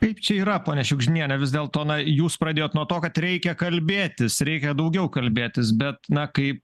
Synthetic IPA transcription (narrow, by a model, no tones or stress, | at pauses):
kɐɪpt͡ʃʲɛiːɾɐpoːnʲɛʃʲʊɡʒʲɪnʲiɛnʲɛʋʲɪzd̪ʲeːlˠt̪oːnɐjuːspɾɐd̪ʲeːjoːt̪nuɔt̪oːkɐt̪ɾʲɛɪkʲɛkɐlʲbʲeːt̪ʲɪsɾʲɛɪkʲɛd̪ɐʊɡʲɛʊkɐlʲbʲeːt̪ʲɪsbʲɛt̪nɐkɐɪp